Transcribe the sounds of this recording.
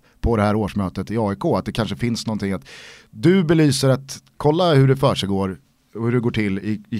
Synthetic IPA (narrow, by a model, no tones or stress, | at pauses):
pʰɔd̪ɛhæːɾoːʂmœːt̪ət̪ɪɑːɪkʰoːat̪̚d̪ɛkʰanʂəfɪnsnɔnt̪ʰɪŋːat̪d̪ɵbɛlyːsəɾat̪kʰɔlːahɵɖɛfœːʂɛjɡoːɾ | ɔhɵɖɛɡoːʈʰɪlːɪɪ